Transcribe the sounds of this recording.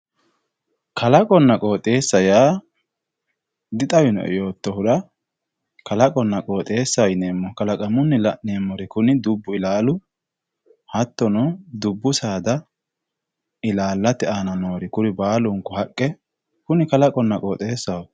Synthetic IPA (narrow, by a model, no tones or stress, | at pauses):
kʰɐlɐkʼɔnːɐkʼo̞ːt̪ʼe̞ːsːɐjaː | d̪ɪt̪ʼɐwɪnɔ̰ʔjo̞ːt̪ːɔhʊɾɐ | kɐlɐkʼɔnːɐkʼoːt̪ʼe̞ːsːɐjneːmːɔkɐlɐkʼɐmʊnːɪlɐneːmːɔɾɪkʊnɪd̪ʊbːʊɪlaːlʊ | hɐt̪ːɔnɔd̪ʊbːʊsaːd̪ɐ | ɪlaːlːɐt̪ːɛaːnɐnoːɾɪkʊɾɪbaːlʊŋkʊhɐkʼːɛ | kʊnɪkɐlɐkʼɔnːɐkʼoːt̪ʼe̞ːsːɐw